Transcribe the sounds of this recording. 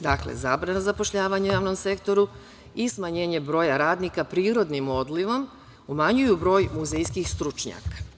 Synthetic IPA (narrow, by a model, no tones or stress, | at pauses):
d̪aklḛzaːbɾanazapo̞ʃʎaːʋaɲeujaːʋno̞mse̞kt̪o̞ɾu | ismaɲe̞ːɲe̞bɾo̞ːjaɾaːd̪nikapɾiːɾo̞d̪nimo̞d̪liʋo̞m | umaɲujubɾo̞ːjmuzejskixst̪ɾut͡ʃɲa̰ːkḁ